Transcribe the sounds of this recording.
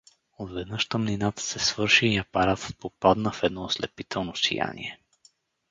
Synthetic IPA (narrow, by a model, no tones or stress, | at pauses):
od̪vɛd̪nəʃt̪əmninat̪ə̥sɛsvɤɾʃiːɐpɐɾat̪ə̥t̪̚popad̪nəfɛd̪nɔoslɛ̰pit̪ɛlˠnosḭja̰nḭɛ